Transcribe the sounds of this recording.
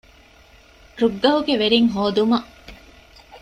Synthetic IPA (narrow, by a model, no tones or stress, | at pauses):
ɾuɡːɐɦuɡeʋeɾiŋɦoːd̪umɐ